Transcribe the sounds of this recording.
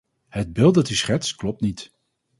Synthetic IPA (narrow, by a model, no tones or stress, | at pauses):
ɦəd̚bɪlˠtdɑtysχɛtsklɔp̚tnit